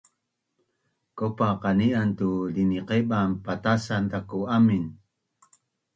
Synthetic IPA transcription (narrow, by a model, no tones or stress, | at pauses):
kopaqaniant̪uliniqeɓampat̪asant̪akuamin